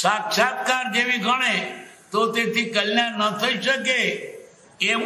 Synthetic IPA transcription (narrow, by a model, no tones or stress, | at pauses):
sakt͡ʃʰat̪̚kaɾd͡ʒeʋiɡʱəɽ̃et̪ot̪et̪ʰikəljaɾnət̪ʰəiʃəke | e